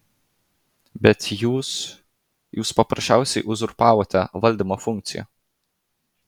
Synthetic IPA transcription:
bʲɛt̪juːs | juːspɐpɾɐʃʲt͡ʃʲæˑʊsʲɛɪʔʊzʊɾpɑːʋoːt̪ʲɛʋɐlʲd̪ʲimoːfʊŋʲk̚t̪sʲɪjɛ̰

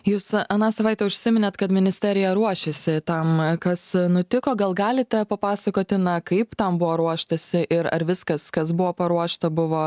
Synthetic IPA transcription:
juːsɐnɑːsɐʋɐɪt̪ʲɛʊʃʲsʲɪmʲɪnʲɛt̪kɐt̪mʲɪnʲɪsʲt̪ʲæːɾʲɪjɛɾuɔʃʲɛsʲɪt̪ɐmkɐsnʊt̪ʲɪkoːɡɐlˠɡɑːlʲɪt̪ʲɛpɐpɑːsɐkoːt̪ʲɪnɐkɐɪpt̪ɐmbʊʋoːɾuɔʃt̪ɐsʲɪʔɪɾɐ̰ɾʋʲɪskɐskɐs̬bʊʋoːpɐɾuɔʃt̪ɐbʊʋoː

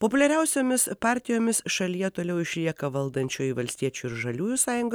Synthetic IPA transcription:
popʊlʲɛɾʲɛʊsʲoːmʲɪspɑːɾʲt̪ʲɪjoːmʲɪsʃɐlʲijɛt̪oːlʲɛʊɪʃʲlʲiɛkɐʋɐlˠd̪ɐnʲt͡ʃʲoːjʋɐlʲsʲt̪ʲiɛt͡ʃʲuːɪɾʒɐlʲuːjuːsɑːjʊŋɡoː

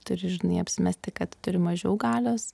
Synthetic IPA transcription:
t̪ʊɾʲɪʒʲɪnɐɪɐpʲsʲɪmʲæsʲt̪ʲɪkɐt̪t̪ʊɾʲɪmɐʒʲɛʊɡɑːlʲoːs

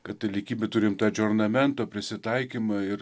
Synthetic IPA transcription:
kɐt̪t̪ɐlʲɪkʲiːbʲet̪ʊɾʲɪmt̪ɑːd͡ʒʲoːɾnɐmʲɛnt̪oːpʲɾʲɪsʲɪt̪ɐɪkʲiːmɑɪɾ

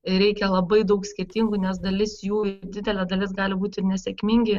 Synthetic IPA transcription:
ɪɾʲɛɪkʲɛlˠɐbɐɪd̪ɐʊksʲkʲɪrʲt̪ʲiːŋɡuːnʲɛs̬d̪ɐlʲɪsjuːɪd̪ʲɪd̪ʲɛlʲɛd̪ɐlʲɪsɡɑːlʲɪbuːt̪ʲɪrnʲɛsʲɛkʲmʲiŋʲɡʲɪ

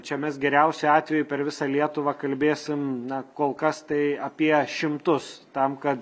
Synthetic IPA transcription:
t͡ʃʲɛmʲɛs̬ɡʲɛɾʲɛʊsʲʊɑːt̪ʲʋʲɛjʊpʲɛɾʋʲɪsɑːlʲiɛt̪ʊʋɑkɐlʲbʲeːsʲɪmnɐkoːlˠkɐst̪ɐɪɐpʲiɛʃʲɪmt̪ʊst̪ɐmkɐt̪

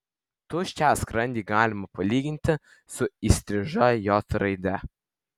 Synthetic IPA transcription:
t̪ʊʃʲt͡ʃʲæːskɾɐnʲd̪ʲiːɡɑːlʲɪmɐpɐlʲiːɡʲɪnʲt̪ʲɪ | sʊisʲt̪ʲɾʲɪʒɐjoːt̪ɾɐɪd̪ʲɛ

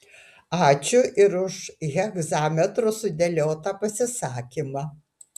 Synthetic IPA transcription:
ɑːt͡ʃʲʊʔɪɾʊʃɣʲɛɡzɑːmʲɛt̪ɾʊsʊd̪ʲɛlʲoːt̪ɐpɐsʲɪsɑːkʲimɑː

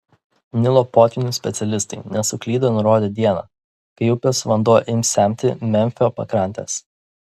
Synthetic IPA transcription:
nʲɪlˠoːpoːt̪ʲʋʲɪnʲusʲpʲɛt̪sʲɛlʲɪst̪ɐɪnʲɛsʊklʲiːd̪ɐnʊɾoːd̪ʲeːd̪ʲiɛnɑ̰ː | kɐɪʊpʲoːsʋɐnd̪uɔjʔɪmʲsʲæˑmʲt̪ʲɪmʲɛmʲfʲoːpɐ̰kɾɑˑnʲt̪ʲḛːs

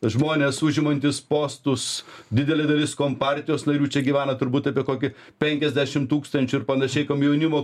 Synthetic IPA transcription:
ʒmoːnʲeːsʊʒʲɪmɐnʲt̪ʲɪspoːst̪ʊsd̪ʲɪd̪ʲɛlʲed̪ɐlʲɪskoːmpɑɾʲt̪ʲɪjoːsnɐɾʲuːt͡ʃʲɛɡʲiːʋʲæːnɐt̪ʊɾbuːt̪ɐpʲiɛkoːkʲɪ | pʲɛŋʲkʲɛzʲd̪ʲæːʃʲɪmt̪uːkst̪ɐnʲt͡ʃʲʊɪɾpɐnɐʃʲɛɪkɐmjɛʊnʲɪmoː

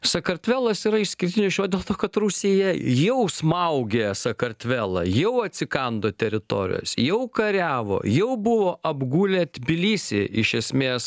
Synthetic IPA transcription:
sɐkɐɾʲt̪ʲʋʲæːlˠɐsiːɾɐɪʃsʲkʲɪɾʲt̪ʲɪnʲʊsʃʲoːd̪ʲeːlˠt̪oːkɐt̪ɾusʲijɛjɛʊsmɐʊɡʲesɐkɐɾʲt̪ʲʋʲæːlˠɐ̰jɛʊɐt̪ʲsʲɪkɐnd̪oːt̪ʲɛɾʲɪt̪o̰ːɾʲɪ̰jo̰ːsjɛʊkɐɾʲæːʋo̰ːjɛʊbʊʋoːʔɐbɡuːlʲɛːt̪ʲbʲɪlʲiːsʲeɪʃʲɛsʲmʲeːs

